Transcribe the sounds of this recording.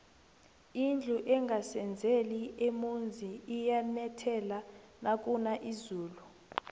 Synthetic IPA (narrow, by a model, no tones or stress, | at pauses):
ind͡ɮʱuʔɛŋɡʱasɛnd͡zʱeliʔemund͡zʱiijanɛtʰɛlanak̬ʼunaʔizuːlu